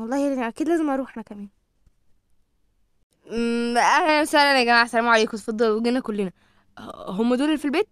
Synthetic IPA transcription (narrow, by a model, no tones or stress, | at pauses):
wɑlˤːɑːhenʔækiːd̪læːzemʔɑɾˤuːħʔenækæmæːn | eʔæmsælʔænæɡæmaːʕasælæːmoʕaleːkot̪fɑd̪ˤːɑlweɡinækolːenæ | ɦomːæd̪uːlelfilbeːt̪̚